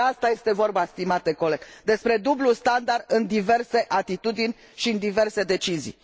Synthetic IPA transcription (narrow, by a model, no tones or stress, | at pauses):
ast̪aje̞st̪e̞vo̞rbast̪imat̪̚eko̞leɡd̪e̞spɾe̞d̪ublust̪and̪ard̪ɨnd̪ive̞rse̞ʔat̪it̪ud̪inʲ | ʃiɨnd̪ive̞rse̞d̪e̞t͡ʃizḭ